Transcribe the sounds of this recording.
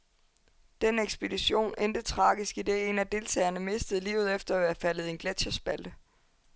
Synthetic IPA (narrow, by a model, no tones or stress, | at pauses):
d̥eneɡ̥sb̥e̝diɕo̝̰ːnend̥ət͡sʰʁɑ̈ːɡ̥isɡ̥id̥e̝e̝næd̥e̝lt͡sʰɛ̰ːɪɐnəme̝sd̥əð̞̩ˠlḭːʊð̩ˠefd̥ɐæʋeɐfæləð̞̩ˠe̝nɡ̥led̥ɕɐsb̥æl̰̥ə